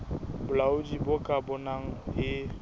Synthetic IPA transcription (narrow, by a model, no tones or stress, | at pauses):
bʊlaʊdibʊkʼabʊnaŋ̩hɪ